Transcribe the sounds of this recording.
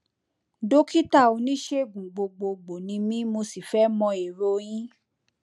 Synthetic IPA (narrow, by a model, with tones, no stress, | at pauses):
do˦ki˦ta˦˨o˧nĩ˦ʃe˦ɡ͡bũ˨ɡ͡bo˧ɡ͡bo˧ɡ͡bo˨nĩ˧mĩ˦mo˧si˨fɛ˦mɔ̃˧e˨ɾo˧j̃ĩ˦